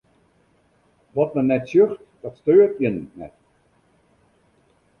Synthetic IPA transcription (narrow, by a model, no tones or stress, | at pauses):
ʋɔt̚mənɛtsjøxtd̥ɔtstøːrtjənəːɛ̰t